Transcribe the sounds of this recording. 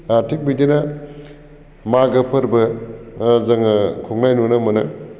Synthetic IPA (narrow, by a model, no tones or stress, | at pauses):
aɾtʰik̚bidinɐ | maɡɐpʰɐɾbɐ | zɐŋɐkʰɔŋnajnunɐmɐnɐ